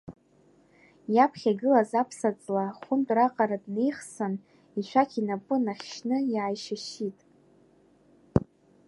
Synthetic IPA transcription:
japʰχʲaɡɨlazapʰsat͡sʼlaχʷʊntʼraqʼaɾadne̞jχsɨn | it͡ʃʷʰakʲʰinapʼʊnaχʲʃnɨjaːjʃaʃitʼ

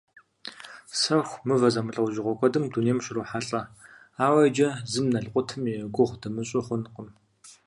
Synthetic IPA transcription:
sɐxʷmɨvɐzɐmɨɬʼɐwʒɪʁʷɔkʷʼɔdɨmdunijmʃɪruħaɬʼɐ | aːwɐd͡ʒɐzɨmnɐɬqʷʊtʰɨmiɡʷʊʁʷdɐmɨɕʼɪχʷʊnqəm

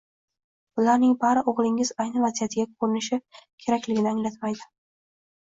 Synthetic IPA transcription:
bʊlaɾnɪŋbaɾɪʔoʁlˠɪŋɪzajnɪvazijat̪ʰɪɡʲakʰɵɾɪnɪʃɪkʲʰe̞ɾakʲlɪɡʲɪnɪaŋlat̪majd̪ɪ

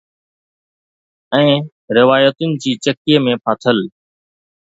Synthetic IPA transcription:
ɛ̃ː | ɾɪʋaːjət̪ʊnɪ̆d͡ʑiːt͡ɕəkiemẽpʰaːt̪ʰəl

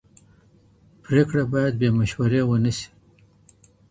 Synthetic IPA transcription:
pɾekɽabɑjad̪̚bemaʃwaɾewənisi̥

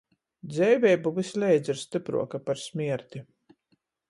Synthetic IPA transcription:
d̪zʲɛjvʲɛjbuvɨsʲlʲɛjd̪ziɾst̪ɨpɾṵɔkapaɾsmʲiɛɾt̪ʲi

